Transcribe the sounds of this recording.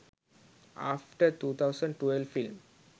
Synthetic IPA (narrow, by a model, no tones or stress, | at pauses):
a̰fʈəɾt̪ut̪ʰawsə̃ɳɖʈuelvfilm